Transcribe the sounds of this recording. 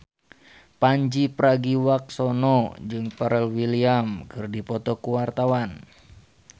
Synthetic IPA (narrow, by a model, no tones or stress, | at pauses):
paɲd͡ʒipəɾaɡiwak̚sɔnɔd͡ʒɨŋpaɾɛlwiliamkɨrdipɔt̪ɔkuwart̪awan